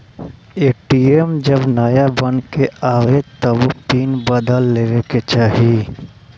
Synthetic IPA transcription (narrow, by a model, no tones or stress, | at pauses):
eːʈiemd͡ʒɐbnaːjabɐnkeaːʋet̪ɐbopiːnbɐd̪əlːeːɾeket͡ʃaːɦi